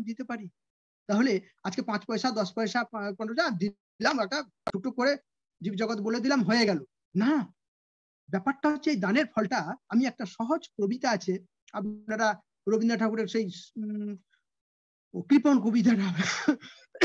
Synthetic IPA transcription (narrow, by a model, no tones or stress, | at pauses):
d̪it̪epaɾi | t̪aɦole | ad͡ʑkepãt͡ɕpɔeʃad̪ɔʃpɔeʃapapãt͡ɕpɔʃad̪i | lamɛk̚ʈa | t͡ʃʰuʈokoɾe | d͡ʑibd͡ʑɔɡot̪eboled̪ilamɦoeɡɛlo | na | bɛpaɾʈaɦotːɕʰeejd̪aneɾfʰɔlʈaamiɛk̚ʈaʃɔɦod͡ʑkɾobit̪aat͡ɕʰe | abnaɾa | ɾobʱind̪aʈʰakuɾeɾʃej | kɾiponkobit̪̬aɾa